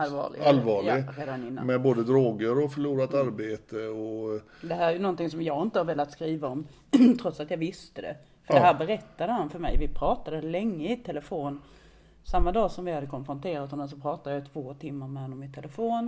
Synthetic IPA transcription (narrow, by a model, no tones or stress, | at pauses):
alvɑ̰ːɭɪ̰ɡalvɑːɭɪɡɾeːd̪anɪnːa̰mɛboːd̪əd̪ɾoːɡəɾɔfœɭuːɾat̪aɾbeːt̪əɔ | d̪ɛɦæːɾæjɵnɔnt̪ɪŋsɔmjɑːɡɪnt̪əhaɾveːlat̪skɾiːvaɔm | t̪ʰɾɔt̪sat̪jɑvɪst̪əd̪ɛ̰ | fœɾdɛɦæːɾbɛɾɛt̪ːad̪əhanfœɾmɛ̰jvɪpʰɾɑːt̪ad̪əlɛŋːəɪt̪ʰɛləfoːn | samːad̪ɑːsɔmvɪhad̪ːəkʰɔnfɾɔnt̪ʰeːɾat̪ɦhɔnɛs̬ɔpʰɾɑːt̪ad̪əjɑt̪ʰv̥oːt̪ʰɪmːaɾmɛanːɔmɪt̪ʰːɛləfoːn